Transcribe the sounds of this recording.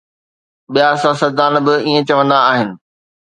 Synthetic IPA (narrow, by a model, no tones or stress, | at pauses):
ɓijasãsɐɾd̪aːnbɪiːẽt͡ɕɐʋə̃nd̪aːɦɪnɪ̆